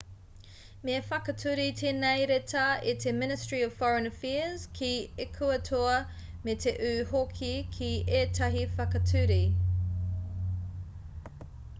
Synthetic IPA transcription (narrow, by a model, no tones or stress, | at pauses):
meɐfɐkɐtʰʉɾitʰenɛjɾetʰɐitʰemɪnɪstɹiɔv̥fɔɹənəfɛəz̥kʰiekʰuɐtʰuɐ | metʰeʔʉːhokʰikʰieːtʰɐɦifɐkɐtʰʉɾi